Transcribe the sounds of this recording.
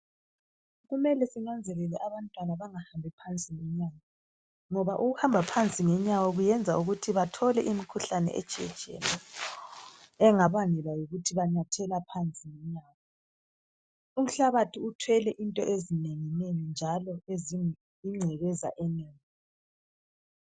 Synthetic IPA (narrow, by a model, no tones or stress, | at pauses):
ɣumɛlɛsinand͡zʱɛlɛlɛʔaβantʼwanaβaŋahambʱipʰant͡sʼiŋɛɲaːwɔ | ŋɔβaʔuɣuhambʱapʰant͡sʼiŋɛɲawɔɣujɛnd͡zʱauɣutʰiβatʰɔlɛʔimikʰuɬanɛ̰ʔɛ̰̥t͡ʃʼɛ̰̥t͡ʃʼɛ̰nɛ | ɛŋaβaŋɛlajoɣutʰiβaɲatʰɛlapʰant͡sʼiŋɛɲaːwɔ | um̩ɬaβatʰiutʰwɛlɛʔintʼɔ̰ʔezineŋinejɔnd͡ʒʱalɔezi | iŋ͡ǀʱɛɣɛza̰ʔɛneːŋi